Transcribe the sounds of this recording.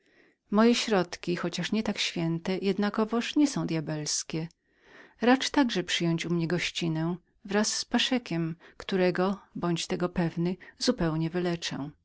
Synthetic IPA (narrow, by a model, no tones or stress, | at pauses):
mɔjɛɕɾɔt̪kʲixɔt͡ɕaʂɲɛt̪akɕfʲjɛnt̪ɛjʔɛd̪nakɔvɔʂɲɛsɔ̃w̃d̪ʲjabɛlskʲɛ | ɾat͡ʂt̪aɡʐɛpʂɘjɔɲt͡ɕumɲɛɡɔɕt͡ɕinɛ̃ | vɾasːpaʂɛkʲɛmkt̪uɾɛɡɔbɔɲt͡ɕt̪ɛɡɔpɛvnɘzupɛwɲɛvɘlɛt͡ʂɛ̰̃